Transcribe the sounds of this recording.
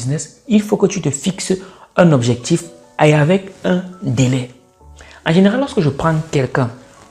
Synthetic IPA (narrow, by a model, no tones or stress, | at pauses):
znɛs | ilfokət̪yt̪əfiks | ɛ̃nɔbʒɛk̚t̪if | aeavɛkɛ̃d̪elɛ | ɑ̃ʒeneʁalːɔʁskəʒəpχɑ̃kɛlkɛ̃